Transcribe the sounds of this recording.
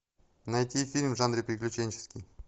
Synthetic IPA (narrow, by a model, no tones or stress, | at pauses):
nɐjt̪ʲifʲilʲmvʐanɾʲɪpɾʲɪklʲʉt͡ɕenʲt͡ɕɪ̥skʲɪj